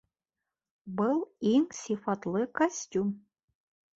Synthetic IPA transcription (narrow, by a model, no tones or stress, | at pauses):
bɨlˠimsʲifɑt̪lˠɨkasʲtʲum